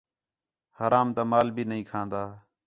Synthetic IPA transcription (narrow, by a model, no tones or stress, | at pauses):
haːɾaːmt̪aːmaːlbʱiːnəɦĩːkʰãːnd̪aː